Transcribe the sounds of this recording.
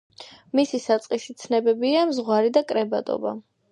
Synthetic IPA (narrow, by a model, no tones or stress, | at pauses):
misisat̪sʼqʼisit̪sʰnɛbɛbiamzʁwaɾid̪akʼɾɛbat̪ʼɔ̰ba̰